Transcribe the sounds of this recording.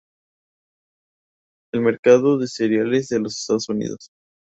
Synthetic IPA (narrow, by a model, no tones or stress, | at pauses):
elme̞ɾkaðoðe̞seɾjalezðe̞lo̞se̥st̪aðosunḭðos